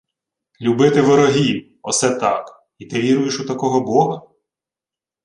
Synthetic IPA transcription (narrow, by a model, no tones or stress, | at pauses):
lʲubɪt̪ɪʋeɾɔɦʲiw | ɔsɛt̪ɑk | it̪ɪʋʲiɾʊjeʃut̪ɐkɔɦɔbɔɦɐ